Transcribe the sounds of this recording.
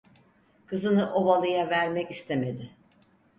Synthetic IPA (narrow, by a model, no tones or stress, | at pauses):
kʰɯzɯnɯʔo̞valˠɯjavæɾmɛcist̪ʰeme̞d̪ɪ